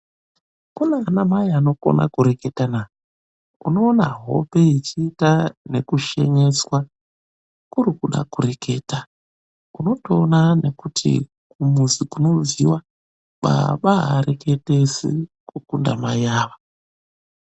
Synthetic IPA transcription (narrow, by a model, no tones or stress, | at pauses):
kunanamajano̞ko̰nʔa̰kuɾe̞ke̞tanaːj | uno̞ːnaɦo̞̰pe̞it͡ʃiːtane̞kuʃe̞ɲe̞swa | kuɾikuɗa̰kure̞ke̞ːta | uno̞to̞ːnane̞kutʰḭ | kumuzikuno̞viwa | ɓa̰ɓaɦaɾe̞ke̞tesḭkukundamajaːʋa